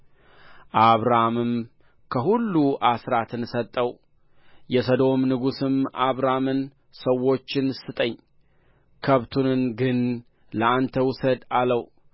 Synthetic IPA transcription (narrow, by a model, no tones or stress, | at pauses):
ʔaβɾamɨm | kʰəɦulːuʔasɾat̪ʰɨnsət̪ʼːəw | jɛsəd̪o̞mnɨɡusɨmʔaβɾamɨn | səwːo̞t͡ʃːɪnsɨt̪ʼəɲː | kʰəβt̪ʰunɨnɡɨn | ləʔant̪ʰəwʊsəd̪aləw